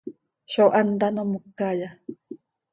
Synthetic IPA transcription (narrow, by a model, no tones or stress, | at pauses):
ʃowʔand̪anomukːaja